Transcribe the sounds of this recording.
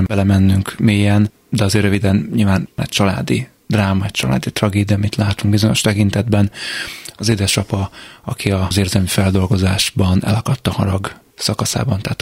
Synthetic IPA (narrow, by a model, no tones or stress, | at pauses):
mbɛlɛmɛnːyŋkmijɛn | d̪ɛɒzeːrøvid̪ɛnɲilvaːnnɛ̰c̚t͡ʃɒla̰ːd̪i | d̪̥raːmɒɛc̚t͡ʃɒla̰ːd̪it̪rɒɡeːd̪ijɒmit̪laːt̪uŋɡ̚bizo̞ɲo̞̰ʃt̪ɛkint̪ɛd̪bɛnɒzed̪ɛʃɒpɒɒkʰiɒzeːrzɛlmifɛld̪o̞lɡo̞zaːʒ̥bɒnɛ̰lɒkɒt̪ːɒhɒɾɒɡ | sɒkɒsa̰ːbɒnt̪ɛːt̪